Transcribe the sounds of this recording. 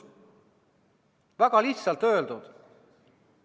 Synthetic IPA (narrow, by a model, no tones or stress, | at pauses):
væɡ̥ɑliçt̪sɑlt̪ø̞ːld̪̥ud̪̥